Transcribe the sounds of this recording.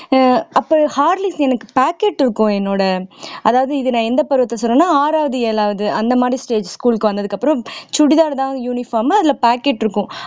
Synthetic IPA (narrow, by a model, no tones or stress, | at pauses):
ʔɐpːoːhaːɾlɪsɛnɐkːɯ̥paːkeːʈːɪɾɯkːʊ̃ɛnːoːɽɐɐðaːʋɐðɯɪðɯnãːɛnd̪ɐpɐɾɯʋɐt̪ːlɐsɔnːɐ̃ːnːaːaːɾaːʋɐðɯeːlaːʋɐðɯʔɐnd̪ɐmaːd̪ɾisʈeːd͡ʒskuːlkɯʋɐnd̪ɐðɯkːɐpːɯɾɔ̃t͡ʃʊɽɪðaːɾðãːjuːnɪfaːmɐɐðɪlaːpaːkeːʈːɪɾɯkːʊ̃